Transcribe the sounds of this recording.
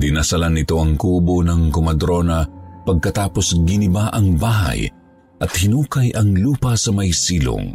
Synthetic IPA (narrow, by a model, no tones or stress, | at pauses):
d̪ɪnasɐlanɪt̪o̞ɐŋkuːbonɐŋkomɐd̪ɾo̞nɐpɐɡ̚kɐt̪aːpo̞sɡɪnɪbaʔɐŋbaːɦa̰j | ʔɐt̪̚hɪnuːkɐjʔɐŋluːpɐsɐmɐjsiːlo̰ŋ